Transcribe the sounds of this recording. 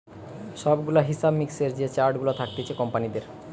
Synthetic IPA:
ʃɔbɡulaɦisabmikseɾd͡ʑet͡ɕaɾɖɡulot̪ʰak̚t̪et͡ɕʰekɔmpanid̪eɾ

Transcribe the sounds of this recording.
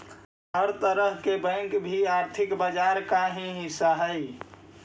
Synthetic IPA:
ɦəɾt̪əɾəɦkebə̃ŋkbʱiaːɾt̪ʰɪkbəd͡ʒaːɾkaɦĩɦɪsaɦəi

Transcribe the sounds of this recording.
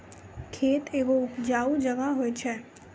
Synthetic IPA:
kʰet̪eʋoupd͡ʒaʋud͡ʒəʋaɦojt͡ʃʰe

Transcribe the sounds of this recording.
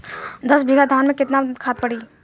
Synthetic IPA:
d̪ɐsbʱiɡad̪ʱaːnmẽkɪt̪nakʰaːt̪̚pɐɽiː

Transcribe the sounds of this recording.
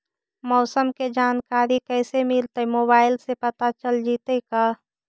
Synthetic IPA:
mɔːsəmked͡ʒaːnkaːɾikəɪsemɪlt̪əmoːbaːɪlsepət̪at͡ʃəld͡ʒiːt̪əka

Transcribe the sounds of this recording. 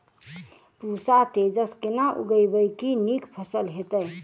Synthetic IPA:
pusat̪ed͡ʒəskenaʔṵɡəjbəjkinikpʰəsəlɦet̪əj

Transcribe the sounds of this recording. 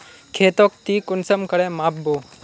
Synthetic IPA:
kʰeːt̪oːk̚t̪iːkʊnsəmkəɽemaːpbo

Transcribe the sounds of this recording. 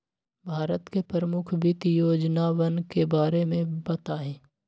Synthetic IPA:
bʱaːɾət̪kepəɾəmʊkʰbʱɪt̪joːd͡ʒnaʋənkebaːɾemẽbɐt̪aɦɛ̃ː

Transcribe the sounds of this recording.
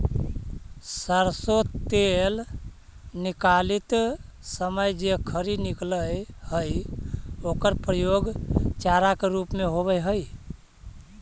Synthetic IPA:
səɾsot̪el | nikalit̪səməjd͡ʒekʰəɾinikləjhəj | okəɾpɾəjoɡt͡ʃaɾakeɾupmeɦoβəjɦəj

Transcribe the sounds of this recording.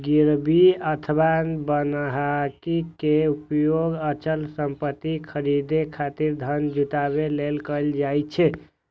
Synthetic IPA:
ɡiɾbʱiət̪ʰəbabənɦakikeupjoɡət͡ʃəlsəmpət̪ːikʰəɾid̪ekʰat̪iɾd̪ʱənd͡ʒut̪aβelelkəld͡ʒajt͡ʃʰɛ

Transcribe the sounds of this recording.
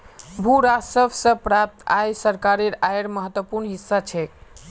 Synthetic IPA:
bʱuɾasəbsə̃pɾap̚t̪ajsəɾkaɾeɾajɾməɦət̪wəpuɾɳɦisːat͡ʃʰɛ

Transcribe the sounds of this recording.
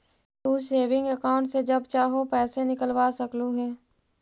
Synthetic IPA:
uːseːʋɪ̃ŋɡəkaːʊ̃ɳʈsed͡ʒɐbt͡ʃaːɦopɛːsenɪkəlʋaːsɐkluɦɛː

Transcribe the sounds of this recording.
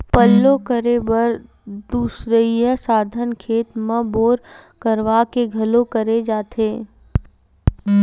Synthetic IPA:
pəlːõkəɾebɐɾ | d̪uːsɾəjəsaːd̪ʱənkʰeːt̪mə̃boːɾkəɾʋakeɡʱɐlokəɾed͡ʒaːt̪ʰeː

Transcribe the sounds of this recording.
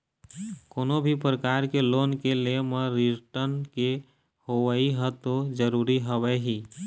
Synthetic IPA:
koːnobʱipɾəkaɾkeloːnkelemeɾiʈəɾnke | hoʋəiɦɛt̪od͡ʒəɾuːɾiɦəwɛɦiː

